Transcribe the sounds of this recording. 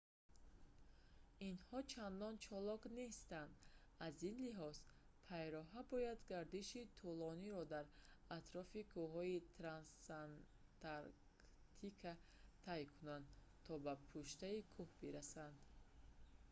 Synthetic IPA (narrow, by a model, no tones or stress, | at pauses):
inhɔt͡ʃʰand̪ɔnt͡ʃʰɔlɔkne̞st̪and̪azinliɦɔz̥ | pʰajɾɔɦabɔjad̪ɡaɾd̪iʃit̪ʰulɔniɾɔd̪aɾat̪ɾɔfikʰuɦɔit̪ʰɾansan | t̪aɾ | k | t̪ʰikʰat̪ʰajkʰunand̪t̪ʰɔbapʰuʃt̪aikʰuhbiɾasand̪